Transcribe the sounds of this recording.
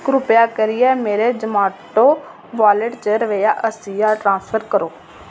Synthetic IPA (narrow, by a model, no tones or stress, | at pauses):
kɾʊpjaːkəɾɪjɛːmeːɾeːd͡ʒəmaːʈoː | ʋaːləʈt͡ʃəɾəʋeːjaːʔəsiːjaːʈɾãːnspʰəɾkəɾoː